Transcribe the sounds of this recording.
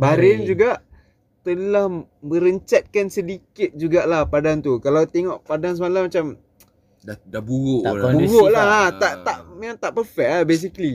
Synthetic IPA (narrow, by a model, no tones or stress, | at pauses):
baɾɛnd͡ʒuɡaʔ | t̪əlahməɾəɲt͡ʃat̪̚kansədikɪt̪̚d͡ʒuɡaʔlahpadant̪ukalawt̪eŋɔʔpadansəmalamat͡ʃam | ddabuɾoʔbuɾoʔlaɦat̪aʔt̪aʔaŋt̪aʔpərfɛk̚abes̬ikli